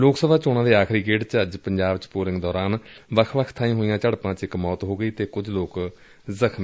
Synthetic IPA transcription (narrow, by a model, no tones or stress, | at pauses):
loːksəbaːt͡ʃoːnãːd̪eːaːkʰɾiːɡeːʈt͡ʃəd͡ʒpəɲd͡ʒaːbt͡ʃpoːlɪŋɡd̪ɔːɾaːnʋəkʰʋəkʰt̪ʰaːĩːɦoːijãːt͡ʃəɽpãːt͡ʃɪkmɔːt̪ɦoːɡəiːt̪eːkʊd͡ʒloːk | zəkʰm